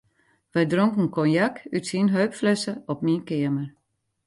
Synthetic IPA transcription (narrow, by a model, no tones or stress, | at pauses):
ʋɛjdroŋkn̩kɔnjakytsinɦøɥpfløsəɔp̚minkɪəmər